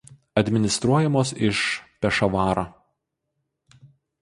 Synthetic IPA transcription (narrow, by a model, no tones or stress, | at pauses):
ɐd̪ʲmʲɪnʲɪst̪ɾuɔjɛmoːsɪʃpʲɛʃɐʋɑːɾoː